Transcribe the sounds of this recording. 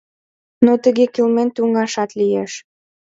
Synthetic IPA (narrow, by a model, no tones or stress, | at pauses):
not̪ə̆ɣekilment̪uŋɡɑʃɑt̪lijeʃ